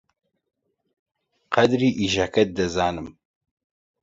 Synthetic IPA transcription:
qɐd̪ɾiːʔiːʒakɛt̪̚d̪ɐzaːnɨm

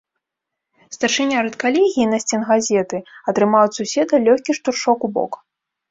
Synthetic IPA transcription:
st̪ɐrʂɨnʲaɾɨt̪kalʲɛɣʲiːnɐsʲt͡sʲɛnɣazʲɛt̪ɨɐt̪ɾɨmawʲsusʲɛd̪ɐlʲɔxʲkʲiʂt̪urʂɔkubɔ̰k

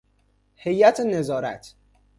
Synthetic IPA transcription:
hejæt̪ʰenezɒːɾæt̪ʰ

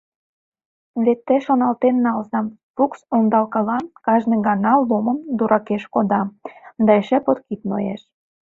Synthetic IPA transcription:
βet̪ːĕʃonɑlt̪enːɑlzɑm | puksond̪ɑlkɤlɑnkɑʒnə̆ɡɑnɑlːoməmd̪uɾʔɑkeʃkod̪ɑd̪ɑeʃĕpot̪kit̪no̰jḛʃ

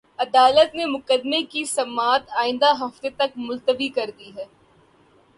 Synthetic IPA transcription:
ɐd̪aːlət̪nemʊkəd̪mekisɐmaːt̪aːɪ̃nd̪aɦɐft̪et̪ɐkmʊlt̪əbikɐɾd̪iɦɛː

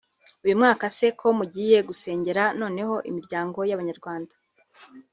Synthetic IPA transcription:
ujumŋaːkase̞kʰo̞muɟiːje̞ɡuse̞ːɲɟe̞ɾano̞ːne̞ho̞ʔimiɾɟaːŋɡo̞jaβaɲaɾɡwaːndḁ

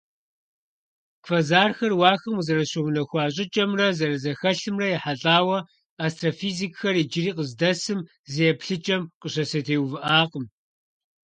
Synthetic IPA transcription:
kfɐzaːrxɐrwaːxɐmuzɐɾɐɕownɐxʷɑːɕʼɪt͡ʃʼɐmrɐzɐrɐzɐxɐɬɨmrɐjɛħaɬʼaːwɐ | aːstʼrofiːzikxɐrid͡ʒɪriːqəzdɐsɨm | zijɛpɬɨt͡ʃʼɐmqəɕɐsɐtʰeːwvɨʔaːqəm

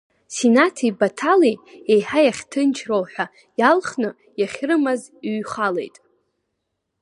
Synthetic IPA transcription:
sinatʰibatʰaliejħajaχʲtʰɨnt͡ʃʰrowħʷᶣa | jalχnɨ | jaχʲrɨmaz | ɥχalḛjtʼ

